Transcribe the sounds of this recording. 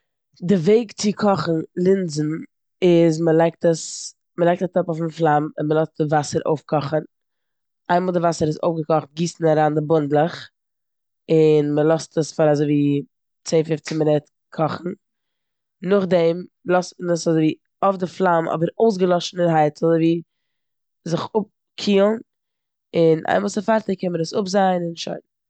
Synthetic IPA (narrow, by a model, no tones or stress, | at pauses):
dɪveɪkt͡sɪkʰɔχn̩lˠɪnzn̩ | ɪzməlˠaɪk̚təs | məlaɪk̚tatɔpofnflˠamɪnməlˠɔst̚dɪvasəɾʔo̰ʊfkɔχən | aɪmɔːlˠdɪvasəɾɪso̰ʊfɡəkɔχt̚ɡiːsn̩aɾaːndɪbʊndlˠəχ | ɪnməlˠɔstəsfaɾazoɪviː | t͡seɪfɪft͡sɪməɾɛt | kʰɔχn̩ | nʊχdɛmlˠɔstnəsazoɪviː | ɔfdɪflˠamɔ̰bəɾoʊs̬ɡəlˠɔʃn̩ɪnɦaɪtʰl̩ˠviː | zɪχʊp̚ | kʰiːlˠn | ɪnʔa̰ɪməlˠsəfaɾtəkɛnməɾəsʊbzaɪnɪnʃo̰ɪn